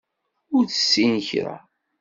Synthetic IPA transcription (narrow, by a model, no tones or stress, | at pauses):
ʊɾθə̥sːinçɾa̰